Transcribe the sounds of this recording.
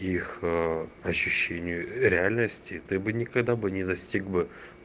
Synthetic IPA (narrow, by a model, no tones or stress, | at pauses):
ix | ɐɕːʉɕːenʲɪjʊɾʲɪalʲnəsʲtʲɪt̪ɨbɨnʲɪkɐɡd̪abɨnʲɪd̪ɐsʲtʲiɡbɨ